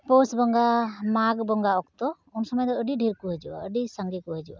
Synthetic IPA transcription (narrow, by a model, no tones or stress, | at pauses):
pɔsbɔŋɡamaɡbɔŋɡaɔkt̪ɔ | unsɔmɔjd̪ɔəɖiɖʱiɾkuɦəd͡ʒuwa̰əɖisaŋɡikuɦəd͡ʒuwa̰